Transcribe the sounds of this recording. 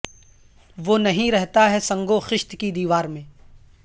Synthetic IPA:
ʋoːnɐɦĩɾɛɦt̪aɦɛsɐ̃ŋɡoxɪʃt̪kid̪iːʋaːɾmẽː

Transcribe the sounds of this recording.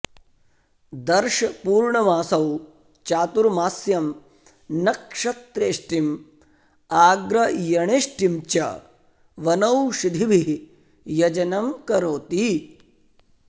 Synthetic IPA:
d̪ɐɾʃɐpuːɾɳɐʋaːsɐw | t͡ʃaːt̪uɾmaːsjɐm | nɐkʂɐt̪ɾeːʂʈim | aːɡɾɐjɐɳeːʂʈimt͡ʃɐ̰ | ʋɐnɐwʃid̪ʱiʋi | jɐd͡ʒɐnɐmkɐɾoːt̪i

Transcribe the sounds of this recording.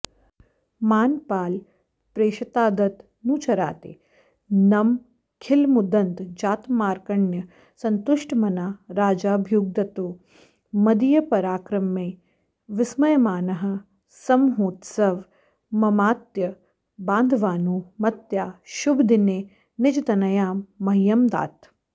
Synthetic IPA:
maːnpaːl | pɾeːʃɐt̪aːd̪ɐt̪ | nũːt͡ʃɐɾa̰ːt̪ḛː | nɐm | kʰɪlmud̪ɐnd̪d͡ʒaːt̪maːɾkɐɳjɐ | sɐnt̪ʊʃʈmɐnaːɾaːd͡ʒaːbʱjuːɡ̚d̪ɐt̪oː | mɐd̪ijɐpɐɾaːkɾɐmeː | ʋɪsmɐjɐmaːnɐɦɐ̆ | sɐmɦoːt̪sɐʋ | mɐmaːt̪jɐ | baːnd̪ʱʋaːnuːmɐt̪jaːʃubʱd̪ineː | nɪd͡ʒɐt̪ɐnɐjaːmːɐɦjɐmd̪a̰ːt̪

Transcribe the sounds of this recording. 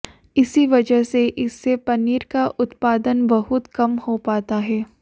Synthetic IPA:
ɪsiʋɐd͡ʒəɦseʔɪsːepɐniːɾkaʔʊt̪paːd̪ənbɐɦʊt̪kɐmhopaːt̪aɦɛː

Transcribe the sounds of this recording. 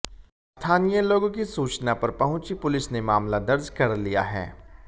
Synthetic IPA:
st̪ʰaːnijəloːɡõkisuːt͡ʃnapɐɾpɐɦʊ̃t͡ʃipʊlɪsnemaːmlad̪ɐɾd͡ʒkɐɾlija̰ɦɛ̰ː

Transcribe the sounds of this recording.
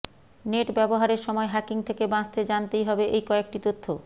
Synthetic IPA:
neʈbɛboɦaɾeɾʃɔmɔeɦɛkiŋt̪ʰekebãt͡ɕt̪ed͡ʑant̪ejɦɔbeʔejkɔek̚ʈit̪ot̪ʰːo

